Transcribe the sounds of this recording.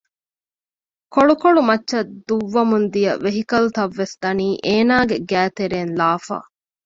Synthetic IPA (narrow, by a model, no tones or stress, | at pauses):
koɭukoɭumɐtːʃɐd̪uʋːɐmund̪ijɐ̰ʋeɦikɐlut̪ɐʋːesd̪̥ɐniːʔeːnaːɡeɡæːt̪eɾeːnlaːfa̰ː